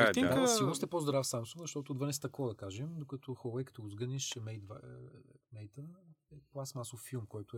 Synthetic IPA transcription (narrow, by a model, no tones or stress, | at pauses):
isilˠnʊst̪ɛpozd̪ɾafsamsũŋɡzɐʃt̪ɔt̪ʊːd̪vənɛst̪ɐkvɔd̪ɐkaʒɛmd̪okɐt̪ʰɔxɔlˠɛjkɐ̥t̪ɔɡʊzɡəniʃmɛjt̪v | mɛjt̪əɛplˠasmasofːilˠmkɔjt̪ʊɛ